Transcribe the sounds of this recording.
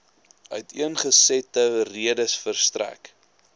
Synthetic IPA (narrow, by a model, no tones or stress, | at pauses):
œtʰiənχəsɛtəriədəsfərstræ̰k